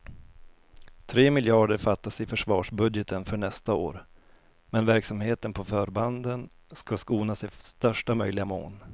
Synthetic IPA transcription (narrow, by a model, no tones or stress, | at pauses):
t̪ʰɾeːmɪljɑːɖəɾfat̪ːasɪfœʂvɑːʂbɵd̪jət̪ʰənfœɳɛst̪ao̰ːɾ | mɛnvæɾksamheːt̪ənpʰɔfœːɾband̪ən | skaskuːnasɪst̪œʂʈamœjlɪɡamo̰ːn